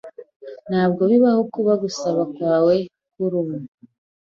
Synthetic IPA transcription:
n̥haːb̚ɡo̞βiβahokuβaɡusaβakwaːwe̞ | kuɾumu

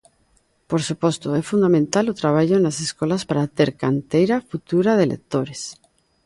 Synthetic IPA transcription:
poɾsupost̪oefund̪amẽnt̪alot̪ɾaβ̞aʎoenaseskolaspaɾat̪eɾkant̪ejɾafut̪uɾað̞elḛk̚t̪oɾes

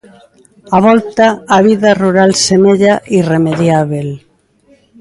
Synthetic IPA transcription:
aβ̞ɔlt̪aːβ̞iðaruɾalsemeʎaʔiremeðjaβ̞el

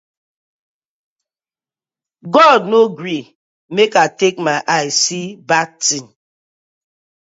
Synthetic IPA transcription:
ɡɔdnoɡɾi | mekatekmaɪʔaɪsibak̚tin

